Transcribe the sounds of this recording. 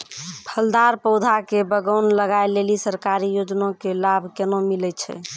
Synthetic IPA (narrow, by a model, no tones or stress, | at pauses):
pʰəld̪aɾpəd̪ʱakebəɡəʊnləɡaelelisəɾkaɾijod͡ʒnõkelabʱkenomilɛt͡ʃʰɛ̰